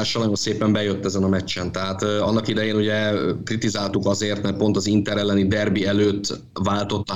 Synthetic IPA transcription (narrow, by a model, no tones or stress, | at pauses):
aːʃɒnɒjonseːpɛmbɛjøt̪ːɛzɛnɒmɛt͡ʃːɛnt̪ɛɦaːt̪ɒnːɒkid̪ɛjeːnuɟɛkrit̪izaːlt̪ukɒzeːrt̪mɛrpo̞nt̪ɒzint̪ɛɾɛlːɛnid̪ɛrbiɛløːt̪ː | vaːlt̪o̞t̪ːɒ